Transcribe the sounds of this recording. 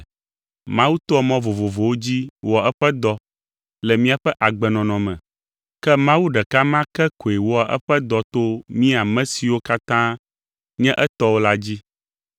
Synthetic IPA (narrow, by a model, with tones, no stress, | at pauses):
mã˦wu˦t̪ɔ˦ɔ˦mɔ̃˦vo˨vo˨vo˨wo˦d͡ʑi˦wo˨a˨ɛ˦ɸɛ˦d̪ɔ˦ | lɛ˨mĩ˦a˨ɸɛ˦ʔa˨ɡ͡bɛ˨nɔ̃˨nɔ̃˨mɛ̃˨ | kɛ˦mã˦wu˦ɖɛ˨ka˦mã˦kɛ˦ko˨e˨wo˦a˨ʔɛ̰˦ɸɛ˦d̪ɔ˨t̪o˦mĩ˦a˨mɛ̃˦si˨wo˦ka˦t̪ã˦ | ɲɛ̃˦ʔɛ˦t̪ɔ˦wo˦la˦d͡ʑi˦